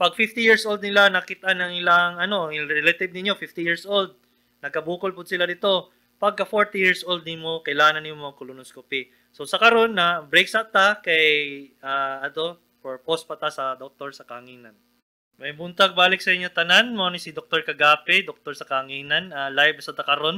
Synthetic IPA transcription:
pɐɡ̚fɪft̪ɪjiɹsʔowld̪̚nɪlanɐkɪt̪ɐʔanɐŋʔɪlaŋɐno̞ɪɾɛlɐt̪ɪb̚nɪɲːo̞fɪft̪ɪjiɹsʔold̪̚ | nɐɡ̚kɐbuːkolpʊd̪̚sɪlad̪ɪt̪o̞ | pɐɡ̚kːɐfoɹt̪ijiɹsʔold̪̚nɪmokɐjlaːŋɐnjʊŋmɐɐkʊlʊnoskopi | so̞sɐkɐɾo̞nːɐbɾejk̚sɐt̪akɐjʔaːʔɐt̪o̞ | poɹpospɐt̪asɐd̪ok̚t̪oɹsɐkaŋiːnɐn | mɐjbʊnt̪ɐɡ̚baːlɪk̚sɐɪɲːot̪ɐnanmoːnɪsid̪ok̚t̪oɹkɐɡaːpɛd̪ok̚t̪oɹsɐkaŋiːnɐnalajbsɐd̪ɐkɐɾo̞n

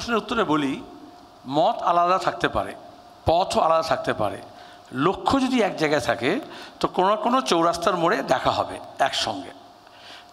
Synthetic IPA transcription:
ʃoneɾut̪ːoɾeboli | mɔt̪alad̪at̪ʰak̚t̪epa̰ɾḛ | pɔt̪ʰoalad̪at̪ʰak̚t̪epa̰ɾḛ | lokʰːod͡ʑod̪iɛk̚d͡ʑaɪɡaet̪ʰaket̪okononakonot͡ɕowɾast̪aɾmoɽed̪ɛkʰaɦɔ̰bḛɛkʃɔ̰ŋɡḛ

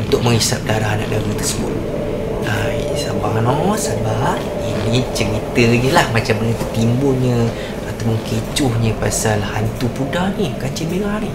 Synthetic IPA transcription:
unt̪ʊk̚mə̃ŋisap̚daɾaɦana̰ʔdaɡət̪ərsəbʊ̰t̪̚ | a | j | sabaŋnɔsaba | init͡ʃəɾit̪əɲəlahmat͡ʃamnət̪imbʊlɲə̃ | at̪awpʊnket͡ʃʊhɲə̃pasalhant̪upudahnikat͡ʃibeɾani

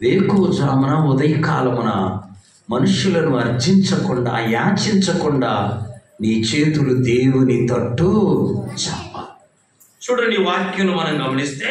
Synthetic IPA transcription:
ʋeːkuːd͡ʒaːmɐnɐud̪ɐjɐkaːlɐmunɐ | mɐnuʂjulɐnuɐɾd͡ʒiɲt͡ʃɐkuɳɖa̰ːjaːt͡ʃiɲt͡ʃɐkuɳɖaːniːt͡ʃe̞ːt̪ulud̪e̞ːwunit̪ɐʈːut͡ʃɛpːaː | t͡ʃuːɽɐɳɖiʋaːɾkjunumɐnɐmɡɐmɐnist̪eː

